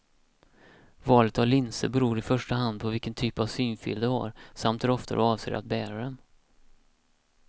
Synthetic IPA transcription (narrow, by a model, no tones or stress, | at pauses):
vɑːlət̪avlɪnsə̰bɛɾuːɾɪfœʂʈaɦand̪̚pʰɔvɪlkːənt̪ʰyːpavsyːnfɪ̰ld̪ɛha̰ɾsamt̪æɾɔft̪ʰad̪ɛɑːvsḛːɾa̰t̪̚bæːɾaɾən